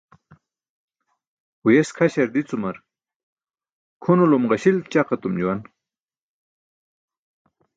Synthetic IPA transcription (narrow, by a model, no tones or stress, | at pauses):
ujeskʰaɕɐɾd̪it͡sumɐɾ | kʰunulumʁɐɕilt͡ɕaqat̪umd͡ʑuwɐn